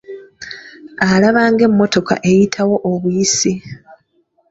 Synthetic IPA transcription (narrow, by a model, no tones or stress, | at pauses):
alaβaːŋɡe̞mːo̞to̞ka̰ʔe̞jitʰawo̞ʔːβujisi